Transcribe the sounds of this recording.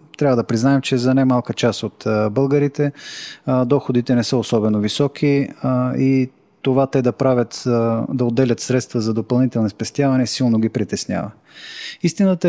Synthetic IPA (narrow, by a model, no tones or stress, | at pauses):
t̪ɾavəd̪ɐpɾiznaɛmt͡ʃɛzɐnajmalˠkət͡ʃasot̪bɤlˠɡəɾit̪ɛ | d̪ɔxod̪it̪ɛnɛsɤosɔbɛnovisɔkʰi | i | t̪ovat̪ɛd̪ɐpɾavʲət̪d̪ɐod̪ːɛlʲət̪sɾɛt̪st̪vəzɐd̪opɐlˠnit̪ɛlˠnɛspɛst̪ʲjavɐnɛsilˠnoɡʲipɾit̪ɛsnʲja̰və | ist̪inət̪ə